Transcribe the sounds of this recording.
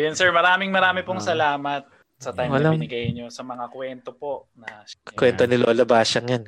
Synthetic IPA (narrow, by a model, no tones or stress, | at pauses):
jʊnsɛɹmɐɾaːmɪŋmɐɾaːmɪpoŋsɐlaːmɐt̪̚ | sɐt̪ajmɐlabɪnɪɡɐjɪnːosɐmɐŋakwɛnt̪opo̞nɐkwɛnt̪onɪloːlɐbaːʃɐŋjɐn